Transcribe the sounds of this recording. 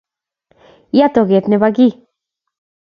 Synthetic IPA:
jat̪o˨ɣe˨t̪ne˧βaɡi˦

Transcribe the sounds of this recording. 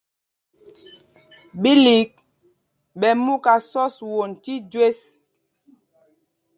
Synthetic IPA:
ɓi˦li˨˦k̚ | ɓɛ˨mu˦ka˨sɔ˦swo˨n˨ti˦d͡ʒwe˦s

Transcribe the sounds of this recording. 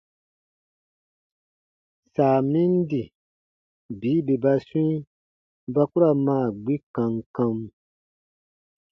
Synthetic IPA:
saː˨mĩ˦n˦di˨ | biː˨˦be˨ba˦sũ˦i˦ | ba˦ku˦ɾa˨maː˦˨ɡ͡bi˦kã˨ŋkã˧m˦

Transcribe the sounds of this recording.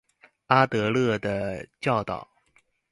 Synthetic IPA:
a˥t̪ɤ˧˥lɤ˥˩d̪ə˩t͡ɕjɑ˥˩ʊt̪ɑ̰˨˩˦ʊ

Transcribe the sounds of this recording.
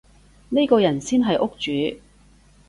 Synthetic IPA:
ne˥kɔː˧jɐ˨˩nsiː˥nɦɐ˨jʔʊ˥k̚t͡ʃyː˨˧˦

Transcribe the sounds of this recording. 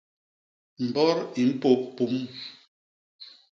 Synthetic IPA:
m̩˨bɔ˦ɾi˨m̩˦po˦pu˨˦m

